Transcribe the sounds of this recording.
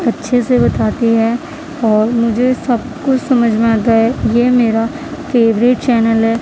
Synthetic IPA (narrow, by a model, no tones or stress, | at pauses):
ɐtːʃʰesebɐt̪aːt̪iɦɛ | ɔːɾmʊd͡ʒʱesɐb̚kʊt͡ʃsɐməd͡ʒʱmẽaːt̪̬aɦɛjeːmeːɾa | feːʋɾɪʈt͡ʃɛːnəlɦɛː